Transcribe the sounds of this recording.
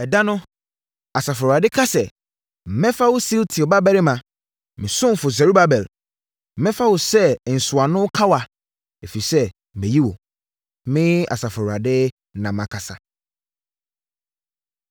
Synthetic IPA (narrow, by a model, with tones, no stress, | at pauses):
ɛ˨da˦nʊ̃˦ | a˨sa˨fɔ˨ɾa˨dɪ˦kʰa˦sɛ˨ | m̩˨mɛ̃˦fa˦wʊ˦si˦ltʰi˨ɔ˨ba˦bɛ˦ɾɪ˦mã˨ | mɪ̃˨sʊ̃˦m̩˨fʊ˨s̬ɛ˨ɾu˦ba˦bɛ˨l̩˨ | mɛ̃˦fa˦wo˨sɛ˦˨n̩˨sʊ˨a˨nʊ̃˦kʰa˦wa˨ | e˨fi˨sɛ˦˨ | mɛ̃˨ji˦wo̰˨ | mɪ̃˦a̰˨sa˨fɔ˨ɾa˨dɪ˦ | nã˨mã˨kʰa˨sa˨